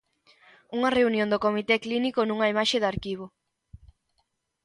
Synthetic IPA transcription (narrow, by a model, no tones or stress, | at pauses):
uŋɐreunjõnd̪okomit̪ɛklinikonũŋɐimaʃeðaɾkiβ̞o